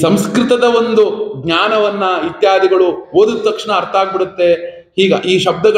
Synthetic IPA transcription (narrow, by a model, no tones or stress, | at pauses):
sɐmskɾɪt̪ɐd̪ɐʋo̞nd̪uɡɲaːnɐʋɐnːɐit̪jaːd̪iɡɐɭuoːd̪ut̪ːɐkʂɳɐːɾt̪ʰaːɡ̚biɾut̪ːe̞ | hiːɡɐʔiːʃɐb̚d̪ɐɡɐ